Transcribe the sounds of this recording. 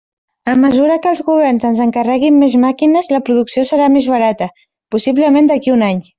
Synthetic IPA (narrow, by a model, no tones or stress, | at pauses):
əməzuɾəkəlˠzɣuβ̞ɛrnzənzəŋkərɛɣimːezmakinəzləpɾuðuksiosəɾamezβəɾat̪ə | pusiβləmend̪əkiunaɲ